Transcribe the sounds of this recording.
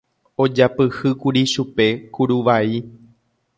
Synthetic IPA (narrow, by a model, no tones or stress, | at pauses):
o̞d͡ʒapɨhɨkuɾiʃupe̞kuɾuʋai